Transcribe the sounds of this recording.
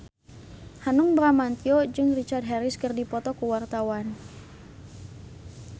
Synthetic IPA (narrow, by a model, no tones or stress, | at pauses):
hanuŋbɾamant̪iod͡ʒɨŋrit͡ʃard̚ɦɛɾiskɨrdipɔt̪ɔkuwart̪awan